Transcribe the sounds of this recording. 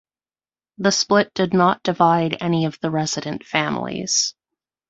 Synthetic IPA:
ðɨsplɪt̚d̥ɨdⁿnət̚d̥ɨvaɪɾɛniʌvðəɹɛz̥ɨɾɨ̃ntfæ̃mlḭz̥

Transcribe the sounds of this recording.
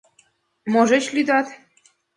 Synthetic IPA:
mɔʒɛɕlʲid̪at̪

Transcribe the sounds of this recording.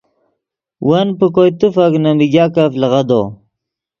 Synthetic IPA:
wanpəkojt̪ufaknamiɡʲakaflɐʁad̪o̰

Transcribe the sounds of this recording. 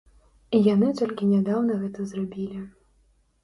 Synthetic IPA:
ijanɨt̪ɔlʲkʲinʲad̪awnɐɣɛt̪ɐzrabʲilʲi

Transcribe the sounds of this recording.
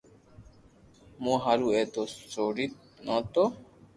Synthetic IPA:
mõːɦaɾuːeːt̪oːsoːɾit̪̚ | nãːt̪oː

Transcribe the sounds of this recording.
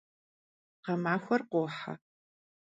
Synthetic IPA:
qɐmaːxʷɐrqʷoːħa̰

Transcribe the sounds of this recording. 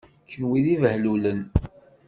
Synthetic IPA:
kːənwiðivəhlulən

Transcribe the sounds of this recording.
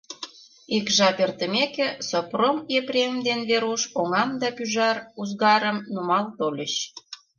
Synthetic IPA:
ikʒɑpert̪əmekĕsopromepɾʲemd̪enβeɾuʃoŋɑmd̪ɑpyʒɑruzɣɑɾəmnumɑlt̪olʲəɕ

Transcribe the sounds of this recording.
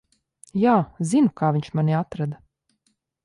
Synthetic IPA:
jaːzinukaːvʲiɲt͡ʃmaniat̪ɾad̪a

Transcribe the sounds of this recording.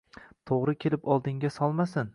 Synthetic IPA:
t̪ʰoʁɾɪkʲʰelɪpɒlˠd̪ɪŋɡʲasɒlˠmasɪn

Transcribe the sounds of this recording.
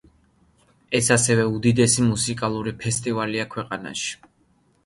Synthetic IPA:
ɛsasɛvɛud̪id̪ɛsimusikʼalˠuɾipʰɛst̪ʼivaliakʰwɛqʼana̰ʃi̥

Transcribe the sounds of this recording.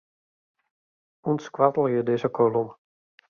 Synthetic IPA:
unskʋatəl̩ˠjədɪzəkʰolum

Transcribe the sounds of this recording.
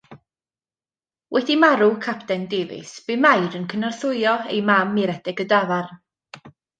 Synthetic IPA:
wʔɛdimaɾʊkʰapʰtɛndevɨ̰sb̥ɨmajdənkʰənarθʊɨɔḛjmamːiɾɛdɪɡədavar

